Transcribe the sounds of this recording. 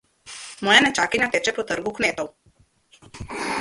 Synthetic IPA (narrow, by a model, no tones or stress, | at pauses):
mɔːjanɛt͡ʃakiɲʲat̪ɛt͡ʃɛpɔt̪əɾɡukmeːt̪ow